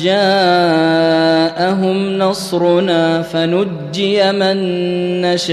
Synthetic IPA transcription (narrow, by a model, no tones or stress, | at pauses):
d͡ʒaː | ʔaɦʊmnɑsˤɾʊnaːfanʊd͡ʒːɪjamɪnːaʃ